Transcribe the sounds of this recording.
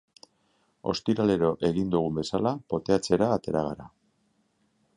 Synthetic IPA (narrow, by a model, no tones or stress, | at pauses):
o̞̰st̪iɾale̞ɾo̞ʔe̞ɣind̪uɣ̞umbe̞salapo̞t̪e̞at͡se̞ɾaːt̪e̞ɾaɣ̞aɾa